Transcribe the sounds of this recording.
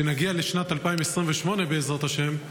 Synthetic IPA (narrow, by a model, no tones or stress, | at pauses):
enaɡialeʃnat̪alpaimesʁimveʃmo̞ne̞beːzʁat̪aʃe̞m